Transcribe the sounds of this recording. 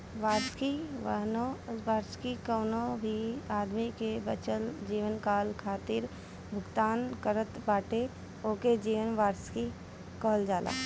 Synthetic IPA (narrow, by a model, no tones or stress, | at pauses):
ʋaːɾskiʋə̰ɦnõʋaːɾskikəːnõbʱiaːd̪mikebət͡ʃəld͡ʒiːʋənkaːlkʰaːt̪ɪɾ | bʱʊɡt̪aːnkəɾət̪baːʈe | oːked͡ʒiːʋənʋaːɾski | kɔːld͡ʒaːla̰ː